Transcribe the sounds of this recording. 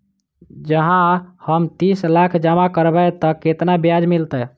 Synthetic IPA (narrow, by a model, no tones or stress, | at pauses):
d͡ʒəɦãhəmt̪islakʰd͡ʒamakəɾbɛt̪əkːet̪nabjad͡ʒmilt̪ɛ